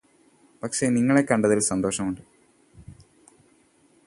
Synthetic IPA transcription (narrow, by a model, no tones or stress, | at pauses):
pɐkʂe̞niŋːɐɭe̞kːɐɳɖɐðilsɐnd̪o̞ːʂɐmuɳɖɨ